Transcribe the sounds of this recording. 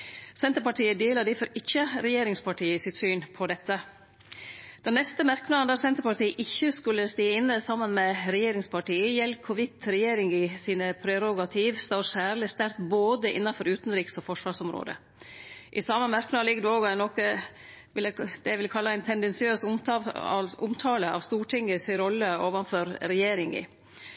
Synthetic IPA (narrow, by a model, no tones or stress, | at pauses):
sɛnt̪əɾpɑʈiːəd̪eːləd̪ɪfɔɾɪçːəɾɛjeːɾɪŋspʰɑʈʰiːəsɪt̪syːnpʰɔd̪ɛt̪ːə | d̪̥ɛnːɛst̪əmæɾknɑːənd̪ɑɾsɛnt̪əɾpɑʈʰiːəʔɪçːəskʉlːəst̪iːəɪnːəsɑmːənmɛɾɛjeːɾɪŋspʰɑʈiːəjɛlkʰːʊʋɪt̪ɾɛjeːɾɪŋɪsiːnəpʰɾɛɾʊɡɑt̪ʰiːʋst̪ɑːɾsæːɾlɪst̪æɾt̪boːd̪əʔɪ̰nːɑfɔɾʉːt̪nɾiːksɔfɔʂʋɑːʂɔmɾo̰ːd̪ə̰ | ʔɪsɑməmæɾknɑːlɪɡd̪ɛoːɡɔænɔkə | ʋɪləd̪ɛʋɪlkʰɑlːɑæɪnt̪ʰɛnd̪ɛnsɪøːs | ʊmt̪ʰɑːləɑ̰ʋst̪uːʈʰɪŋəsɪɾɔlːəoːʋɑnfɔɾɾɛjeːɾɪŋɪ̰